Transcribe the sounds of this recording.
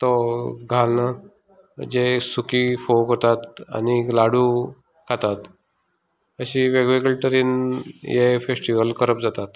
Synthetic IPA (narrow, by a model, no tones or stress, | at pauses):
t̪ɔɡʱalna | d͡ʑesukifokot̪at̪a̰nilaɽu | kʰat̪at̪ | əɕiʋeɡʋeɡəlʈəɾinjefesʈiʋəlkəɾəp̚d͡zat̪at̪